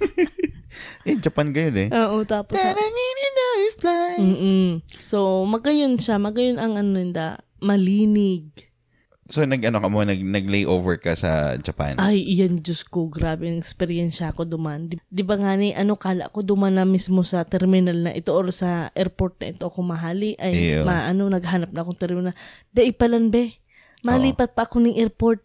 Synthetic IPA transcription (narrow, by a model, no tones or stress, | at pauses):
ʔɛd͡ʒɐpanɡɐjonɛʔoːʔot̪aːposaɾɐŋinɪnaɪsplam̩ːʔso̞mɐɡɐjonʃamɐɡɐjonɐŋʔɐnoɪnd̪a̰ | mɐliːnɪɡ̚ | sonɐɡɐnokɐmonɐɡ̚nɐɡ̚lejʔovɛɹkɐsɐ̰d͡ʒɐpa̰nʔajʔɪjaŋd͡ʒoskoɡɾaːbɛɐŋʔɛkspɛɾɪjɛnʃɐko̞d̪ʊmand̪ɪd̪ɪbaŋaːnɪʔɐno̞kaːla̰ʔko̞d̪ʊmanːɐmismo̞sɐt̪ɛɾmɪnalnɐ̰ʔɪt̪oʔoɾasɐʔɛɾpoɾt̪̚nɐ̰ʔɪt̪oʔɐkomɐɦaːlɪʔɐjomɐʔɐno̞nɐɡɦanɐp̚nɐʔɐkoŋt̪ɛɾmɪnal | d̪ɐʔɪpɐlɐnbɛ | mɐliːpɐt̪̚pɐʔɐko̞nɐŋʔɛɾpo̞ɾt̪̚